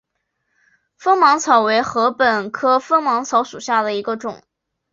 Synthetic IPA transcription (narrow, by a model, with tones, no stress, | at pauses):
fɤ˥ŋmɑ˧˥ŋt͡sʰɑ˨˩ʊwe˧˥ɪxɤ˧˥pə˨˩nkʰɤ˥fɤ˥ŋmɑ˧˥ŋt͡sʰɑ˧˥ʊʂu˨˩ɕja˥˩d̪ə˩i˧˥ɡə˧ʈ͡ʂʊ˨˩˦ŋ